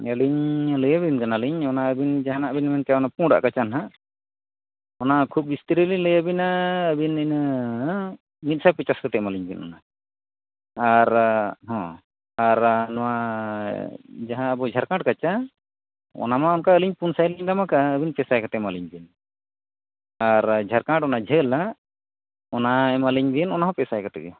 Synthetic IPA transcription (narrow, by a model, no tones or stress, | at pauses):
əliɲləjabinkanaliɲɔnaəbind͡ʒaɦanaʔbinmɛnt͡ʃaɔnapũɽa̰ʔkat͡ʃanɦaʔ | ɔnakʰup̚bist̪iɾəliləjabinaəbinin | mit̪̚sajpit͡ʃaskat̪ɛmaliɲbḭnɔ̰na | aɾɦɔ̃ | aɾnɔwa | d͡ʒaɦãːbɔd͡ʒʱaɾkãʈ̚kat͡ʃa | ɔ̰namaɔnkaəliɲpunsajliɲdamakaəbinpɛsajkat̪ɛmaliɲbin | aɾd͡ʒʱaɾkãʈɔnad͡ʒʱəla | ɔnaɛmaliɲbinɔnaɦɔ̃pɛsajkat̪ɛɡɛ̰